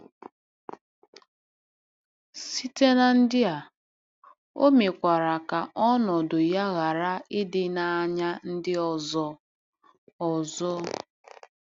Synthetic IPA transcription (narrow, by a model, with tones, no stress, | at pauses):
si˦te˦na˦n̩˦dɪ˦a˨ | o̰˦me˨kʷa˨ɾa˨ka˨ʔɔ˦nɔ˨dʊ˨ja˦ɣa˨ɾa˦ɪ˦dɪ˦na˨ɲa˦n̩˦dɪ˦ɔ˨zɔ˨ | ɔ˨zɔ˦